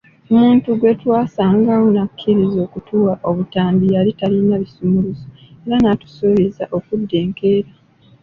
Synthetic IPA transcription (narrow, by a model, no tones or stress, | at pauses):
omuːntuɡwe̞twaːsaːŋɡawonakʰːiɾizo̞ːkutuwaʔo̞βutaːmbijalitalinaβisumuluzoe̞ɾanatu̥soβizaʔo̞kudːe̞ːŋke̞ːɾa